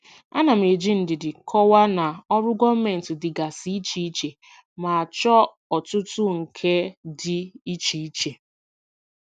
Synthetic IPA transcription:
a̰˦na˨m̩˨e˨d͡ʒi˦n̩˨dɪ˨dɪ˨kʰɔ˦wa˦na˨ɔ˦ɾʊ˦ɡʷɔ˦m̩˦me˨n̩˨tʊ˨dɪ˨ɡa˨si˦i˦t͡ʃi˨˦i˦t͡ʃe˨ | ma˨a˨t͡ʃɔ˦ | ɔ˨tʊ˦tʊ˦ŋ̩˨kʰe˦dɪ˦i˦t͡ʃi˨i˦t͡ʃe˨

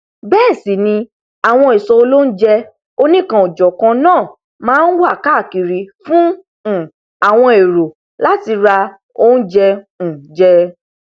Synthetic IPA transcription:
bɛː˦˨si˨nĩ˧ | a˨w̃ɔ̃˧i˨sɔ˧o˧lo˦n̩˦d͡ʒɛ˧ | o˧nĩ˦˨kã˧ɔ˨d͡ʒɔ˨kã˧nãː˦˨ | mãː˦n̩˦wa˦˨ka˦˨ki˨ɾi˨fũ˦˨ | a˨w̃ɔ̃˧e˨ɾo˨ | la˦ti˧ɾa˧ | o˦n̩˦d͡ʒɛ̃˧˨ | d͡ʒɛ˧

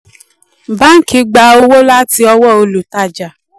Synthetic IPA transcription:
ba˦ŋ̩˦ki˧˦ɡ͡ba˧o˧wo˦la˦ti˧ɔ˧wɔ˦˨o˧lu˨ta˦˨d͡ʒa˨

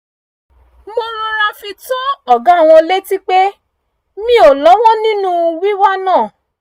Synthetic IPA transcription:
mo˧ɾo˧ɾa˧fi˧tɔ˦ɔ˨ɡã˨˦˨w̃ɔ̃˧le˦ti˦k͡pe˦ | mĩ˦o˨lɔ˨˦w̃ɔ̃˦nĩ˦nũ˦˧wi˦wa˦nãː˦˨

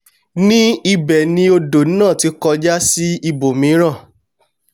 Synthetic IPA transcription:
nĩ˦i˧bɛ˨nĩ˧o˧do˨n̩˦nã˦˨ti˨˧˦kɔ˧d͡ʒa˦si˦i˧bo˨mĩ˨˦ɾ̃ã˦˨

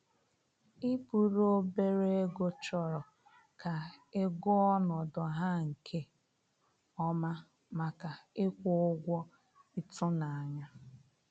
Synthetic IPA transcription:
i˦pu˨ɾo˦be˦ɾe˦e˦ɡo˦t͡ʃɔ˨ɾɔ˨ | kʰa˨e˦ɡʊ˦ɔ˦nɔ˨dɔ˨ɦa˦ŋ̩˨kʰe˦ | ɔ˦ma˦ | ma˨ka˨e˦kʷʊ˦ʊ˦ɡʷɔ˦ | i˦tʊ˦na˨a˨ɲa˦

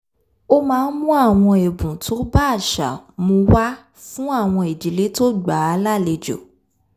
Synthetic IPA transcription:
o˦mãː˦˧˦n̩˦mũ˦a˦˨w̃ɔ̃˧e˨bũ˨tʰo˦ba˦˨ʃa˨mũ˧wa˦ | fũ˦a˦˨w̃ɔ̃˧e˨d͡ʒi˨le˨˦to˦ɡ͡ba˨˦a˧la˦˨le˨d͡ʒo̰˨

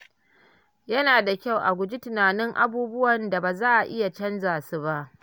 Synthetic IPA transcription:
jɐ˦naː˨da˨kʲa˦˨wʔa˨ɡʷʊ˨d͡ʒi˦tɪ˨naː˨nɪ˦ŋʔa̰˦buː˦bʊ˦wɐ˨nda˨baː˨zaː˦ʔa˨ʔɪ˦ja˨t͡ʃɐ˦nzaː˨su˦ba˦ʔ

